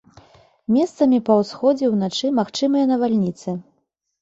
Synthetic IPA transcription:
mʲɛst̪sɐmʲipɐwsxɔd͡zʲɛwnat͡ʂɨmaxt͡ʂɨmɨjɐnɐvalʲnʲit̪sɨ

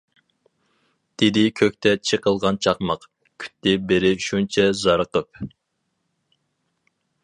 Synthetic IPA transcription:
d̪̥ɪd̪ɪkʲʰøk̚ʲt̪ʰɛt͡ʃʰeqəlˠʁɑnt͡ʃʰɑqmɑq | kʲʰy̥t̪ːɪbɪɾɪʃunt͡ʃʰɛzɑɾəqəp̚

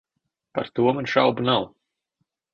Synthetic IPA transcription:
pa̰ɾt̪uɔmanʃawbunaw

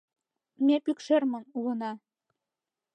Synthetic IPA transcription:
mepykʃermɤ̆nulɤ̆nɑ

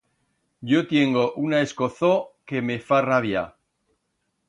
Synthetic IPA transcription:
ɟ͡ʝot̪je̞ŋɡo̞ʔunae̞sko̞θoke̞me̞faraβja

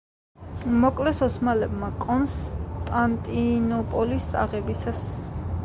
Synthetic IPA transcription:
mɔkʼlɛsɔsmalɛbmakʼɔnst̪ʼant̪ʼinɔpʼɔlisa̰ʁɛbisas

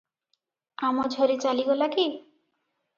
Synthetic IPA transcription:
amɔd͡ʒʱoɾit͡ʃaliɡɔlaki

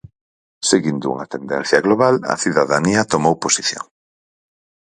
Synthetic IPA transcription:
seɣind̪ʊṵŋɐt̪end̪ɛ̰̃n̟θjɐɣloβalɐ̰θiðaðaniɐt̪omowposiθjo̰ŋ

